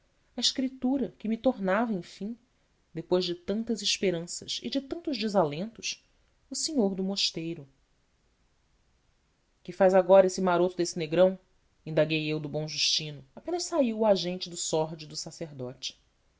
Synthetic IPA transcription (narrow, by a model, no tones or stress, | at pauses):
ɐiʃkɾit̪uɾɐkɪmɪt̪oɾnavɐẽj̃fĩ | d̪epojʒd͡ʒɪt̪ɐ̃nt̪ɐzɪʃpeɾɐ̃sɐ̰sɪ̰d͡ʒɪt̪ɐ̃nt̪ʊʒd͡ʒɪzalẽnt̪ʊs | ʊseɲoɾd̪ʊmoʃt̪ejɾʊ | kɪfajzaɡɔɾɐesɪmaɾot̪ʊd̪esɪneɡɾɐ̃w̃ | ĩnd̪aɡejewd̪ʊbõw̃ʒuʃt͡ʃĩnʊapẽnɐʃsaiwaʒẽnt͡ʃɪd̪ʊsɔɾd͡ʒɪd̪ʊsaseɾd̪ɔt͡ʃɪ̥